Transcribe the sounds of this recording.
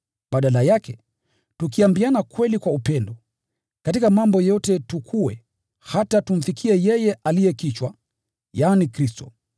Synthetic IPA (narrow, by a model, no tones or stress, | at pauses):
ɓaɗalajakɛ | tukiambianakwɛlikwaupɛndɔ | katikamambɔjɔtɛtukʰuwɛ | hatatum̩fikʰiɛjɛjɛʔalijɛkit͡ʃwa | jaːnikɾistɔ̰